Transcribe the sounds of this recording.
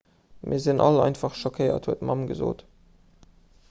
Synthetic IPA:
mʔiːɐzinʔɑ̰lɑ̰ɪntfɑχʃokʰəɪɐ̰thuətmʔɑmɡəzo̰ːt

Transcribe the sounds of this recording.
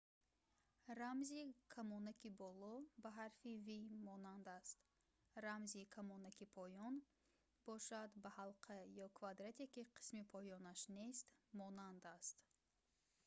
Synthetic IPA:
ɾamzikʰamɔnakibɔlɔbaɦaɾfivimɔnand̪ast̪ | ɾamzikʰamɔnakipʰɔjɔn | b̥ɔʃad̪bahalqʰajɔkʰvad̪ɾat̪ʰekʲiqʰi̥smipʰɔjɔnaʃne̞st̪mɔnand̪ast̪

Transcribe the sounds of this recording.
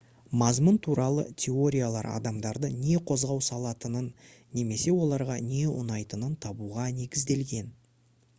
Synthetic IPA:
mɑzmənt̪ʰuɾɑlˠə̰t̪ʲʰe̞o̞ɾʲijalˠɑ̰ɾɑ̰d̪ɑmd̪ɑɾd̪əne̞qʰo̞zʁɑwsɑlˠɑt̪ənənː | e̞me̞se̞wo̞lˠɑɾʁɑne̞ʊ̰nɑjt̪ənənt̪ʰɑbuʁɑne̞ɡʲɪzd̪e̞lɡʲe̞n

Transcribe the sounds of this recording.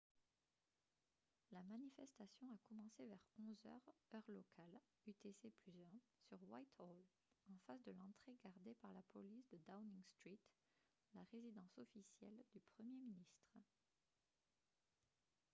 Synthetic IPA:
lamanifɛst̪asjɔ̃akɔmɑ̃sevɛʁɔ̃zœ̰ʁœʁlɔkʰal | yt̪eseplyzɛ̃syʁwajt̪ɔl | ɑ̃fasd̪əlɑ̃t̪χeɡaʁd̪epaʁlapɔlisd̪əd̪awniŋst̪χit̪ | laʁezid̪ɑ̃sɔfisjɛ̰ld̪ypχəmjeminist̪χə

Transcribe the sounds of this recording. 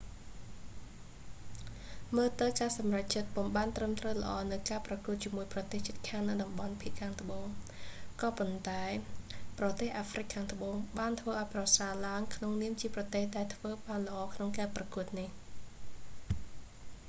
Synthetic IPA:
məːlt̪ɨwkaːsɑmrac̚t͡ɕət̪̚pumɓaːnt̪rəmt̪rəwlə̆ʔɑːnɨwkaːprɑkuət̪̚t͡ɕiəmuəjprɑt̪eːht͡ɕət̪̚kʰaːŋnɨwɗɑmɓɑnpʰiəʔkʰaːŋt̪ə̆ɓoːŋkɑːpont̪aɛprɑt̪eːhʔaːfrɨkʰːaːŋt̪əɓoːŋɓaːnt̪ʰʋəːʔaɔjprɑsaːlaəŋkʰnoŋniəmt͡ɕiəprɑt̪eːhɗaɛlt̪ʰʋəːɓaːnlə̆ʔɑːkʰnoŋkaːprɑkuət̪̚nih

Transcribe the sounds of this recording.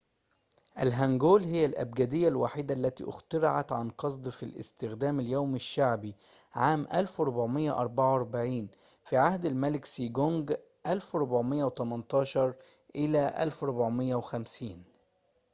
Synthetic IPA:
ʔælɦæŋɡoːlhɪjːælʔæ̰b̚ɡæːd̪ɪjːælwaːħiːd̪aʔlːæt̪ḭːʔɪxt̪ɑɾɑʕa̰t̪ʕa̰nqɑsˤd̪ˤfilʔɪ̰st̪ɪxd̪æːmɪljæwmɪʃːaʕbiʕaːmʔælfɾˤʊbʕmɪjːa̰ʔɑɾˤbaʕwɑɾˤbaʕiːn | fiʕahd̪ælmælɪksiːɡoŋɡ | ʔælfɾˤʊbʕmɪjːæwt̪æmɑnt̪ˤɑːʃɑɾˤ | ʔɪlæːʔæ̰lfɾˤʊbʕmɪjːæwxæmsiːn

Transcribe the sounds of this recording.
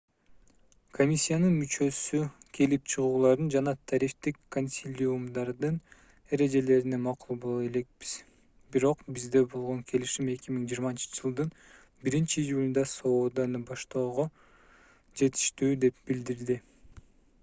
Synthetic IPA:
kʰo̞mʲisʲːijanɯnmyt͡ʃø̞sykʲʰe̞lip̚t͡ʃʰɯʁuːlˠɑɾd̪ɯnd͡ʒɑnɑt̪ʰɑɾift̪ikʰːo̞nʲsʲilʲumd̪ɑɾd̪ɯn | e̞ɾe̞d͡ʒe̞le̞ɾinemɑqulˠbolˠe̞le̞k̚bi̥z̥ | biɾo̞qbizd̪e̞bo̞lˠʁo̞ŋkʰe̞liʃime̞kʲimiŋd͡ʒiːɾmɑnt͡ʃɯ̥d͡ʒɯlˠd̪ɯn | biɾint͡ʃijulʲd̪ɑso̞ːd̪ɑnɯbɑʃt̪o̞ːʁo | d͡ʒe̞t̪ʰi̥ʃt̪yːd̪e̞p̚b̥ild̪iɾd̪i

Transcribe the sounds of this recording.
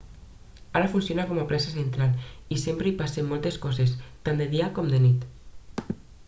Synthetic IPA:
aɾafunsionakɔmaplasasent̪ɾalisempɾeipasemːɔlˠt̪eskɔzest̪and̪eðiakɔmd̪enit̪

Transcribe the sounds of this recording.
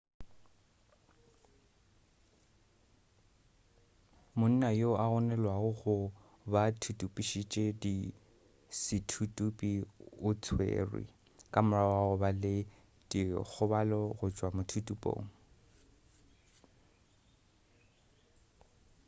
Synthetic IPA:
mʊn̩najoaɣʊnɛlwaɣʊɣʊ | batʰutʼupʼiʃit͡ʃʼedi | sɪtʰutʼupʼiʊt͡sʰwḛːrwḭ | kʼamʊraaʊbalɪ | d̥ik͡xʰʊbalɔɣʊt͡ʃʼwamʊtʰutʼupʼo̰ːŋ̩

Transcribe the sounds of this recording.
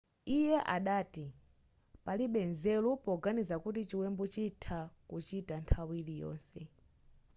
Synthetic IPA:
ijɛʔaɗaːti | paliɓɛnzɛlupɔɡanizakutit͡ʃiwɛmbɔt͡ʃitʰakut͡ʃitantʰawilijɔ̰ːnsɛ

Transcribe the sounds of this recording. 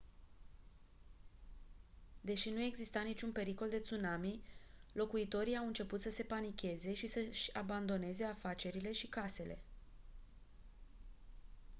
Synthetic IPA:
d̪e̞ʃinue̞ɡzist̪anit͡ʃʲunpe̞ɾiko̞ld̪e̞t̪sunamilo̞kuit̪o̞ɾiawɨnt͡ʃe̞put̪səse̞panikʲe̞ze̞ʃisəʃʲaband̪o̞ne̞ze̞afat͡ʃe̞ɾile̞ʃikase̞le̞̰

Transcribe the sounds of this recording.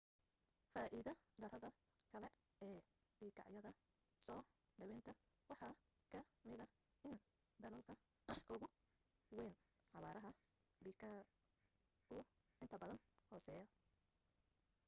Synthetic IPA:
faːʔiðɐd̪ɐrɐðɐ | kʰɐlɛ | ɛː | biːkʰɑ̰ʕjɐðɐ | sɔː | ɖɐwɛnt̪ʰɐ | wɑħɑː | kʰɐmɪðɐ | ɪn | d̪ɐlɐlkʰɐ | ʔʊɣʊ | wɛːn | ʕɑβaːɾʔɐɦɐ | bik | ʊ | ʔɪnt̪ʰɐbɐðɐnhɔːsɛːjɐ

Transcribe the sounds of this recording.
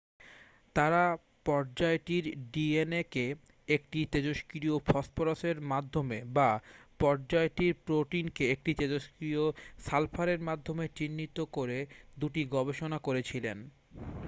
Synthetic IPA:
t̪aɾa | pɔɾd͡ʑaeʈiɾɖieneke | ek̚ʈit̪ed͡ʑoʃkɾiofʰɔspoɾoseɾmad̪ʱːomebapɔɾd͡ʑaeʈiɾpɾoʈinkeek̚ʈit̪ed͡ʑoʃkɾiosalpʰaɾeɾmad̪ʱːomet͡ɕinːit̪okoɾed̪uʈiɡɔbeʃonakoɾet͡ɕʰilen

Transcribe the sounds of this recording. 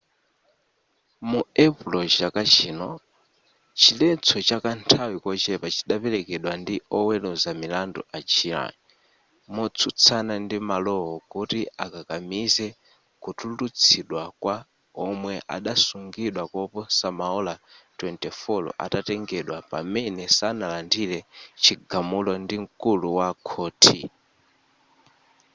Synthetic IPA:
muɛpulɔt͡ʃakat͡ʃʰiːnɔ | t͡ʃʰilɛt͡sʰɔt͡ʃakantʰawikɔt͡ʃɛpat͡ʃʰi̥ɗapɛlɛkɛɗwandiɔwɛlɔzamilandɔʔat͡ʃʰiɾa̰ni | mɔt͡sʰut͡sʰanandimalɔɦɔkutiakakamizɛ | kutʰutut͡sʰiɗwakwa | ɔmwɛʔa̰ɗasuŋɡiɗwakɔpɔsamaɔlatwɛntɛfɔlɔ̰ʔa̰tatɛŋɡɛɗwapa̰mɛnɛsanalandiɾɛt͡ʃʰiɡamulɔndiŋ̩kuluwakʰɔːtʰi

